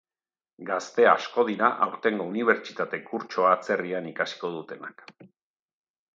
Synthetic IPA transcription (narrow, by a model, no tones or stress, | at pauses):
ɡast̪e̞a̰sko̞ð̞iɾaʔawɾt̪e̞ŋɡo̞uniβ̞e̞ɾt͡ʃi̥t̪at̪e̞kuɾt͡ʃo̞aːt͡se̞rianikasi̥ko̞ð̞ut̪e̞na̰k